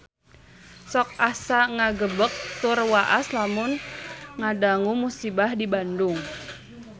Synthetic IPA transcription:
sɔk̚asaŋaɡəbək̚t̪ʊrwaʔaslamʊnŋadaŋumusibahdibandʊŋ

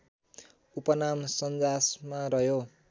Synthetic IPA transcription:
upʌnamsʌnd͡zasmarʌɦjo

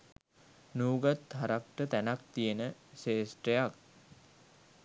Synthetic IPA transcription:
nuːɡat̪hɦaɾak̚ʈət̪ænak̚t̪ijenəseːsʈɾejak̚

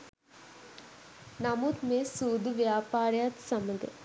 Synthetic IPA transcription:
nɐmut̪mesud̪ʱʋjaːpaːɾjat̪sɐməɡə̰

